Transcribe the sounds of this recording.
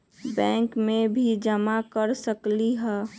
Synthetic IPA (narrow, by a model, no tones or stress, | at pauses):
bɛ̃ːŋkmẽbʱid͡ʒəmakəɾsəkliɦɛː